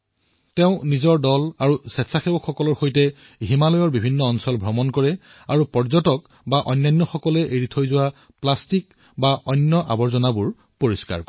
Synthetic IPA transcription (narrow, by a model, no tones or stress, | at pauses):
teʊ̃nizɔɹdɔlaɹusɛtsaxebɔkxɔkɔlɔɹxojtɛ | ɦimalɔjɔɹbibʱinːɔːnsɔlbʱɹɔmɔnkɔɹɛ | aɹupɔɹzɔtɔk | baʔɔjnːajnːɔxɔkɔlɛʔeɹitʰojzʊwa | plastik | baʔɔjnjɔʔa̰bɔɹzɔnabʊɹ | poɹiska̰ɹk